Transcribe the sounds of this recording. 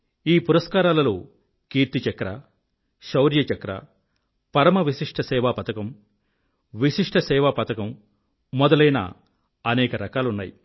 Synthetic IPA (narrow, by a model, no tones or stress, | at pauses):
iːpuɾɐskaːɾaːlɐloː | kiːɾt̪it͡ʃɐkɾa̰ | ʃɐwɾjɐt͡ʃɐkɾa̰ː | pɐɾɐmɐʋiʃiʂʈʰɐsɛːʋaːpɐt̪ɐkɐm | ʋiʂiʂʈʰɐsɛːʋaːpɐt̪ɐkɐmː | ɔd̪ɐlɐjna̰ | ɐnɛːkɐɾɐkaːlunːa̰ːji